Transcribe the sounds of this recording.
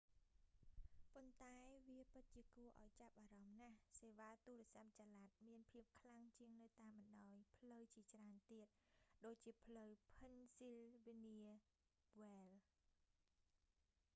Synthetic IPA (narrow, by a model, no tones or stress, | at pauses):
pont̪aɛʋiəpɨt̪̚t͡ɕiəkuəʔa̰ɔjt͡ɕap̚ʔaːɾɑmnahseːʋaːt̪uːlɛ̆əsap̚t͡ɕaːlat̪̚miənpʰiəp̚kʰlaŋt͡ɕiəŋnɨwt̪aːmɓənɗaɔjpʰləwt͡ɕiət͡ɕraənt̪iət̪̚ɗoːc̚t͡ɕiəpʰləwpʰənsilʋiniə | ʋɛːl